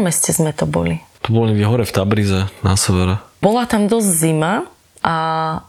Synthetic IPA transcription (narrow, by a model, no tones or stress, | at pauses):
mɛscɛzmɛt̪ɔbɔ̰lit̪ɔbɔliiɦɔɾɛft̪abɾizɛna̰sɛʋɛɾɛbɔlat̪amd̪ɔzɟzima | ʔa